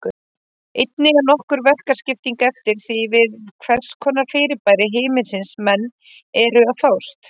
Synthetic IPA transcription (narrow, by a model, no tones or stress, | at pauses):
kʏ | ejt̪̚nɪɣanɔhkʏɾvɛr̥kḁscɪft̪iŋkɛft̪ɪɾ̥θivɪðkʰvɛr̥skʰɔːnaɾfɪːɾɪpaːjɾɪɦeːjmɪnsɪnsmɛnː | ɛɾʏaθawst̪